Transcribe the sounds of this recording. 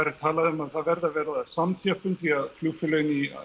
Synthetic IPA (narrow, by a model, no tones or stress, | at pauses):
aɾɪ̥t̪ʰaːlaðʏmaðθaðvɛɾðavɛːɾðasamθjœhpʏmθiaðfluːfʏlœɥnḭ